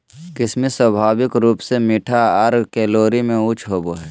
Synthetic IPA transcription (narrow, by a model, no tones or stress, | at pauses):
kɪsmiswəbʱaːwɪkɾuːpsemɪʈʰaɐɾkɛːloːɾimẽʊt͡ʃʰɦoːboɦɛː